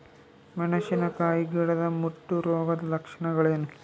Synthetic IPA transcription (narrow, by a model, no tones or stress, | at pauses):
mɐnɐʃinɐkaːjiɡiːɽɐd̪ɐmuʈːuɾoːɡɐd̪lɐkʂɐɳɐɡɐɭeːnu